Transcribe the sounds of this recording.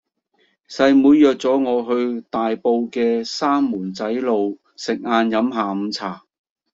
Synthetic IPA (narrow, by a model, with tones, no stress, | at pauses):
sɐ˧jmuː˨˧jːœː˨k̚t͡sɔː˨˥ŋɔː˨˧ɦɵ˧ɥt̪aː˨jpo˧wkɛː˧saː˥mːuː˨˩nt͡sɐ˨˥jlo˨w | sɪ˨k̚ŋaː˧njɐ˨˥mɦaː˨m̩˨˧t͡sʰaː˨˩